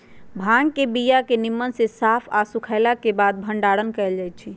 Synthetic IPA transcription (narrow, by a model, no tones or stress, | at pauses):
bʱaŋɡkebijakenimːənsẽsapʰasukʰaɪlakebad̪̚bʱəɳɖaɽənkɛld͡ʒajt̪̚t͡ʃʰi